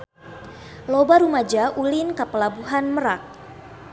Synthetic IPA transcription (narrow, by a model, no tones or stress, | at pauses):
lobaɾumad͡ʒaʔulinkəpəlabuɦanməɾak̚